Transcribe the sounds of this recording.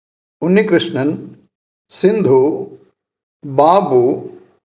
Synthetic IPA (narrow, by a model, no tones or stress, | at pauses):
ʊnːikɾɪʂɳɐn | sɪ̃nd̪ʱu | baːbu